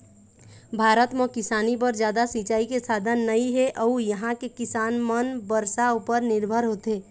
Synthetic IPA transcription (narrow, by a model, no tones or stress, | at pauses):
bʱaːɾət̪mə̃kɪsaːnip̬əɾd͡ʒjaːd̪asit͡ʃaːikesaːd̪ʱənːəiɦɛʔəujəɦãkekɪsaːnmənbəɾsaupəɾnɪɾbʱəɾɦoːt̪eː